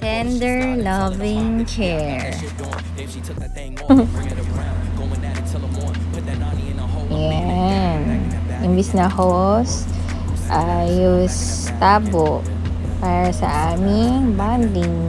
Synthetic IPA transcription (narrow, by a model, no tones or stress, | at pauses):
t̪ɛnd̪ɛɹlɐvɪ̃ŋkʰɛɹ | janʔɪmbɪsnɐhos | ʔajus | t̪aːboʔ | paːɾɐsɐ̰ʔaːmɪŋband̪ɪŋ